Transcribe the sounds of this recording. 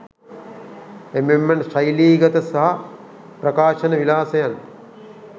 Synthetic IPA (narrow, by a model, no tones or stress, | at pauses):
ememːɐnʃɐjliːɡɐt̪əsɐɦɐ | prɐkaːʃɐnəʋilaːsɐjan